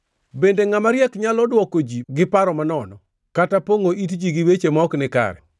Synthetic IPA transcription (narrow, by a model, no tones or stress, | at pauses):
bendeŋamaɾjɛkɲalɔdwɔkod͡ʒiɡɪpaɾɔmanɔnɔ | katapoŋoit̬d͡ʒiɡiwet͡ʃemɔknɪka̰ɾɛ̰